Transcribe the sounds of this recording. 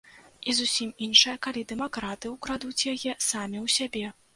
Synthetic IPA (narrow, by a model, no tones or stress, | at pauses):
izusʲiminʂɨjɐkalʲid̪ɛmakɾat̪ɨwkɾad̪ut͡sʲjajɛsamʲiwsʲabʲɛ